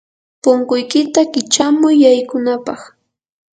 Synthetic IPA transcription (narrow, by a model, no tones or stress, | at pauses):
pʊŋkʊjkɪt̪akɪt͡ʃamʊjːajkʊnapɑχ